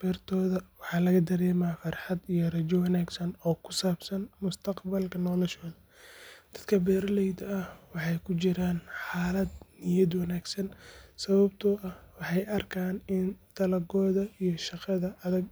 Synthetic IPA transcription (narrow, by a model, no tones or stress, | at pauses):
b̥ɛːrt̪ʰɔːðɐwɑħɑːlɐɣɐd̪ɐɾɛːmaːfɑrħɑd̪ijɞrɐd͡ʒɐwɑnaːɡsɐnɔːkʰʊ̥saːbsɐnmʊst̪ʰɐqbɐlkʰɐnɔːlɛʃɔːðɐd̪̥ɐd̪kʰɐbɛːɾlɛjd̪ɐɐhwɑħɑjkʰʊt͡ʃɪɾaːnħaːlɐd̪nɪjɐd̪wɑnaːɡsɐnsɐβɐbt̪ʰɔʔɐhwɑħɑjʔɐrkʰaːnɪnt̪ʰɐlɐɡɔːðɐijɔʃɑqɑðɐʔɐðɐɡ